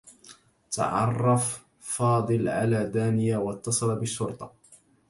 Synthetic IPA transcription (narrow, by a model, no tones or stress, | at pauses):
t̪a̰ʕɑ̰rˤːɑf | fɑːd̪ˤɨlʕalaːd̪aːnɪjaːwɑt̪ːɑsˤɑlabɪʃːʊɾt̪ˤɑ̥